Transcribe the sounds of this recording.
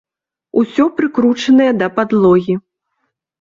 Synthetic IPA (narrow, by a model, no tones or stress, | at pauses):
usʲɔpɾɨkɾut͡ʂɐnɐjɐd̪ɐpad̪lˠɔɣʲi